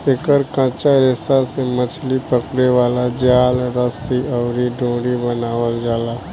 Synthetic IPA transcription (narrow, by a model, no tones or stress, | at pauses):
eːkəɾkãːt͡ʃaɾeːsasemət͡ʃʰlipəkɽeʋaːlad͡ʒjaːlɾəsiɔːɾiɖõːɽibənaːwəld͡ʒaːlaː